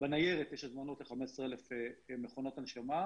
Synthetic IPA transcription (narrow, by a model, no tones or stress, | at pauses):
benajeʁet̪jeʃazmanot̪leχamesʁeelefemeχonot̪anʃama